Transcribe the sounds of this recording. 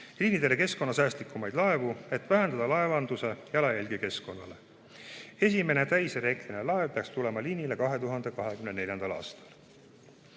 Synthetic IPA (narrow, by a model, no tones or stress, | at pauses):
liːnid̪̥e̞le̞ke̞sko̞nːɑs̬æːst̪likʰːˑumɑjd̪̥lɑe̞vue̞t̪ːˑvæɦe̞nd̪ɑd̪̥ɑlɑevɑnd̪̥use̞jɑlɑjælʲɡ̥eke̞sko̞nːɑle̞ | e̞s̬ʲime̞ne̞t̪æjseɾe̞ːɡ̥line̞lɑe̞vpeɑkst̪ule̞mɑlinʲile̞kɑɦe̞t̪uɦɑnd̪̥e̞kɑɦe̞kymnenelʲjɑnd̪̥ɑlɑ̰ːst̪ɑ̥l